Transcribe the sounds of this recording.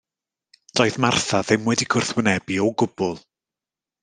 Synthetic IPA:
d̥ɔjðmarθaðɪmwɛdiɡʰʊrθwənɛbiɔɡʊb̥ʊlˠ

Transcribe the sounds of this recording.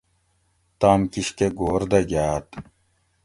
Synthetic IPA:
t̪aːmkiɕkeɡoːɾd̪ɐɡjaːt̪

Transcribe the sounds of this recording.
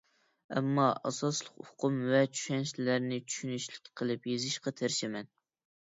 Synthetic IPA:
ɛ̰mːɑʔɑ̰sɑslˠʊqʊqʰʊmvɛt͡ʃʰy̥ʃɛnʃlæɾnɪt͡ʃʰy̥ʃynyʃlɪkʲqʰəlˠɨpjezɪʃqɑt̪ʰeɾʃɪmɛn

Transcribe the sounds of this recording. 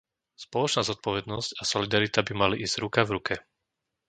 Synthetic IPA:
spɔlɔt͡ʃnaːzɔt̪̚pɔʋɛd̪nɔscasɔlid̪aɾit̪abimaliʔiːzz̥ɾukavɾukʰɛ

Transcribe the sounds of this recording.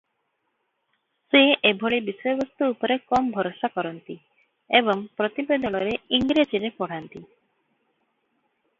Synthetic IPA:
seebʱɔɭibisɔjɔbɔst̪uːpɔɾekɔmɔbʱɔɾosakɔɾɔnt̪i | ebɔŋpɾɔt̪ibed̪ʱɔɭɔɾeiŋɡɾed͡ʒiɾepɔɽ̤ant̪i

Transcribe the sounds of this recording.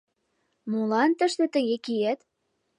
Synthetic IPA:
mulɑnt̪ə̆ʃt̪ĕt̪ə̆ɣekiæt̪

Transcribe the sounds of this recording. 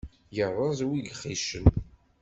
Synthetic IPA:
jərˤːɑzˤwilχiʃən

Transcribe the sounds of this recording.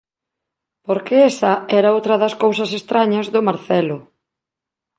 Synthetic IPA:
poɾkeɛsɐɛɾaowt̪ɾɐðɐskowsɐsest̪ɾaɲɐzðʊmaɾθɛlʊ

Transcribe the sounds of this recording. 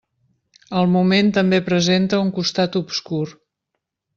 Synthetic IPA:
əlˠmument̪əmbepɾəzent̪əuŋkust̪at̪ubskuɾ

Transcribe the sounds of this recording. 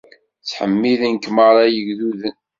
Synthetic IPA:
t͡sːħə̰mːiðənkməɾˤɑjəɡðuðən

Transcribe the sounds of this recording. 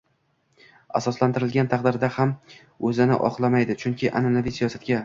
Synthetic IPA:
a̰sɒslant̪ʰɪɾɪlɡʲant̪ʰaqd̪ɪɾd̪aham | ɵzɪnɪ̰ʔɒ̰qlˠamajd̪ɪt͡ʃʰʊŋkʲʰɪʔananavijsijɒsat̪̚ɡʲa

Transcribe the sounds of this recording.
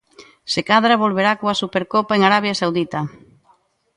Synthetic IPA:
sekaðɾaβolβeɾakoasupeɾkopaeŋaɾaβ̞jasawðit̪a

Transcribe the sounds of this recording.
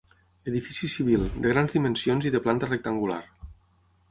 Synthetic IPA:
eðifisisiβ̞ilˠd̪əɣ̞ɾanzðimənsionziðəplant̪ərək̚t̪əŋɡula̰ɾ

